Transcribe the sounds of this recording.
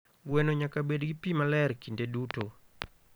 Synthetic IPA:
ɡwɛnoɲakabedɡipimalɛrkindeduto

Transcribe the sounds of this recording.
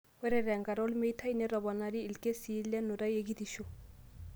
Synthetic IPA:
weɾɛɾɛŋɡaɾɔlmejt̪ʰajnɛɾɔbɔnaɾiilkesilːɛnuɾajeɡit̪iʃu

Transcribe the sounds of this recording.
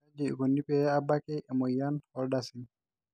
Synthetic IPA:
ad͡ʒiɡonːipɛabakɛʔɛmɔjanhɔɾdasin

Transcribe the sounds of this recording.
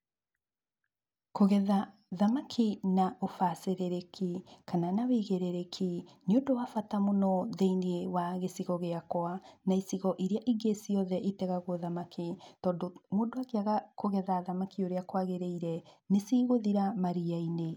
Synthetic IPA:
koɣɛða | ðamakʰinaʔofaseɾeɾekʰikananaweɣeɾeɾekʰineondowafatamonɔðeiniewaɣesiɣɔɣeakwanaisiɣɔʔiɾeaʔiɡesiɔðɛʔitɛɣaɣoðamakʰitɔːndomoːdowakeaɣakoɣɛðaðamakʰioɾeakwaɣeɾeiɾɛnesiːɣoðiɾamaɾiaine

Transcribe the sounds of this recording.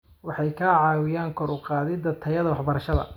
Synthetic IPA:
wɑħɑjkʰaːʕɑːwɪjaːŋkʰɔɾʊqɑːðɪd̪ɐt̪ʰɐjɐðɐwɑħbɐɾɐʃɐðɐ̰

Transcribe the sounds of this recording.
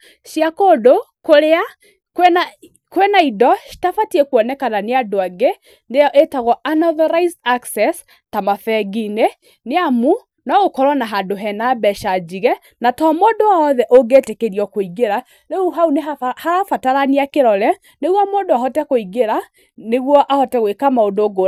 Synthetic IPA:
ʃiakodo | koɾea | kɛna | kwɛnaidɔʃi̥tafatiɛkwɔnɛkananeadoaɡe | nejɔʔetaɣɔʔanɔðɔɾaizaksɛs | tamafɛɣine | neamu | nɔɣokɔɾwɔnaɦadoɦɛnabɛʃad͡ʒiɣɛ | natɔmodoaɔðɛʔoɡetekeɾiɔkoiɣeɾa | ɾeuɦaunehaɾafataɾaneakeɾɔɾɛ | neɣwɔmodoaɦɔtɛkoiɣeɾa | neɣwɔʔahɔtɛɣwekamaondoɡo

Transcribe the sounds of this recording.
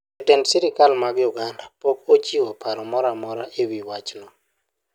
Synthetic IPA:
etɛnsiɾɪkalmaɡɪuɡandapokot͡ʃiwɔpʰaɾɔmɔɾamɔɾaʔewiwat͡ʃnɔ

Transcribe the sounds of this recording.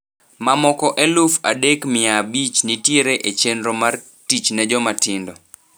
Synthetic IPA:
mamɔkɔʔɛlufadekmɪabit͡ʃnitjeɾeʔet͡ʃenɾɔmar | tit͡ʃnɛd͡ʒɔmatɪndɔ

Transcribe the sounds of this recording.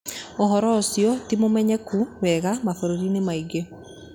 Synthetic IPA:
ɔɦɔɾɔːsjɔtimomɛɲɛkuwɛɣamafoɾoɾinemaiɡe

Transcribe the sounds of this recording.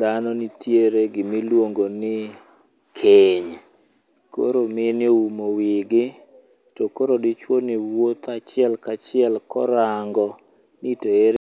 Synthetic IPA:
d̪anɔnitjeɾeɡɪmilwoŋɡonɪ | kʰeɲ | ko̰ɾomɪnɪoumowɪɡɪ | tɔkoɾodɪt͡ʃwoniwot̪at͡ʃɪɛlkat͡ʃɪɛlkɔɾaŋɡɔ | nɪtoeɾ

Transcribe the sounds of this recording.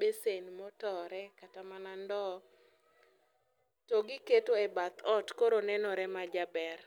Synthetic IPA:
besenmɔtɔɾɛkatamanandɔ | toɡɪketoebat̪ɔtkoɾonɛnɔɾɛmad͡ʒabɛr

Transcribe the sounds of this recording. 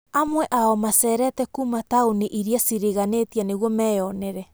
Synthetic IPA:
amueʔaomaseɾetekumatauniʔiɾiasiɾiɣanetianewomɛoneɾe

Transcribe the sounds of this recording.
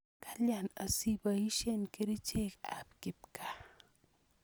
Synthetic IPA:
kʰaljanɐ̰sibɐiʃenkeɾit͡ʃeka̰p̚kip̚ka

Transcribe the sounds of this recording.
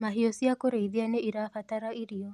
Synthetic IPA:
maɦiosiakoɾeiðianeiɾafataɾaiɾiɔ

